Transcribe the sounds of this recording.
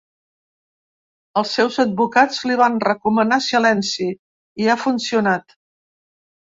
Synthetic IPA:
əlˠsːɛwzəd̪̚βukad͡zliβanrəkumənasilɛnsi | iafunsiunat̪

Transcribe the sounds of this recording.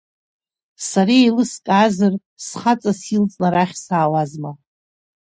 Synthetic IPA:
saɾielɨskʼazɨr | sχat͡sʼasilt͡sʼnaɾaχʲsaːwazma

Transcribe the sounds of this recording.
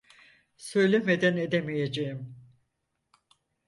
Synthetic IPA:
sø̞jlʲemed̪æne̞d̪emijed͡ʒejim

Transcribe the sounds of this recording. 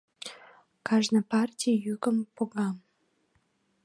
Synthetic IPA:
kɑʒnəpɑrtʲijykəmpoɣɑm

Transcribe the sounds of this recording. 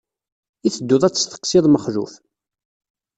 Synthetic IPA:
iθəd̪ːʊðˤæt͡sːə̥st̪ə̥qːsiðˤməχlṵf

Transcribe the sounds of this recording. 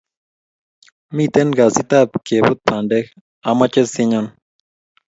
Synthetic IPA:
mit̪enɡasit̪ap̚kebut̪̚pʰanɖex | amat͡ʃesiɲon

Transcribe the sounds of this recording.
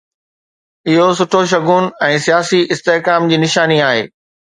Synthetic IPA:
ɪɦosʊʈʰoʃ̬ɐɡʱuːnɛ̃ːsijaːsiʔɪst̪eɦkaːmd͡ʑiːnɪʃaːniaːɦḛː

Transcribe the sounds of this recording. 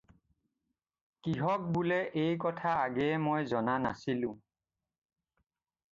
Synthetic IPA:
kiɦɔk̚bulɛʔejkɔtʰaːɡɛmojzɔnanasilʊ̃

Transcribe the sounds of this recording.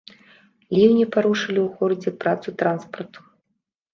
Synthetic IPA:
lʲiwnʲipaɾuʂɨlʲiwxɔɾd͡zʲɛpɾat̪sut̪ɾanspɐrt̪u̥

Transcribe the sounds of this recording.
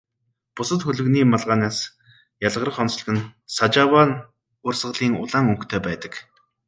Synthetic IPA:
pʊsə̆t̪xɵɮɵ̆ɣniːmaɮʁaːnaːs | jaɮʁə̆rə̆χɔnt͡sɮ̆ɣɘ̆nsat͡ɕawan | ʊrsʁə̆ɮiːŋʊ̰ɮaːŋɵŋkt̪ʰeːpæːt̪ə̥̆k

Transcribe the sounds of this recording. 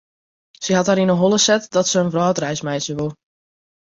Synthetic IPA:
səɦɑtɦaɾinəɦolˠəsɛtdɔtsəːnvrɔːtrɛjsmɛjsəʋulˠ

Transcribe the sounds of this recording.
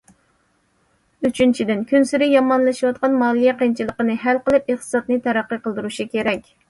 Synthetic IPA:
yt͡ʃʰynt͡ʃʰid̪ɪnkʲʰynsyɾɪjɑmɑnlˠɨʃiwɑt̪̚qɑnmɑːlˠɨjɛqent͡ʃʰilˠəqənɨɦælqəlˠɨpeχt̪ʰɨ̥sɑt̪nɨt̪ʰɛɾæqːəqəlˠd̪ɨɾuʃikʲeɾɛkʲ

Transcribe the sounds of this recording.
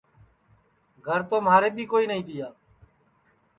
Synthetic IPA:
ɡʱəɾt̪oːmaːɾeːbʱiːkoːiːnəɦĩːd̪ɪjaː

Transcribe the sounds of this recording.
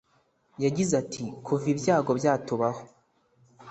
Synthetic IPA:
jaɟizatʰikʰuvibjaːɡo̞bjaːtuβaho

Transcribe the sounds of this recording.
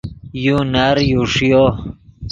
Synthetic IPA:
junaɾjuʂjo

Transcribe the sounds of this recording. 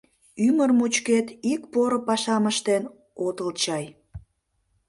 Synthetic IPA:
ymərmut͡ɕket̪ikpoɾopɑʃɑməʃt̪en | ot̪əlt͡ɕɑj

